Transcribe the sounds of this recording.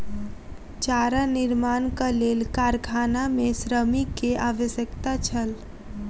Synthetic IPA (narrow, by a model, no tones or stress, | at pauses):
t͡ʃaːɾanɪɾmaːnkaleːlkaːɾkʰaːnamẽsɾəmikːeaːʋəsjəkt̪at͡ʃʰəl